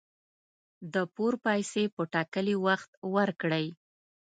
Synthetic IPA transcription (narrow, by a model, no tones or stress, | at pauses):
d̪əpoɾpɑjsepəʈɑkəliwaxt̪waɾkɽəj